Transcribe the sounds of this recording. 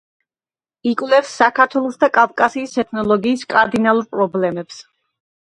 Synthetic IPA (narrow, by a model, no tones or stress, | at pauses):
ikʼwvlɛfsːakʰaɾt̪ʰwɛlˠɔsd̪akʼavkʼasiːsɛt̪ʰnɔlˠɔɡiːskʼaɾd̪inalˠuɾpʼɾɔblɛmɛps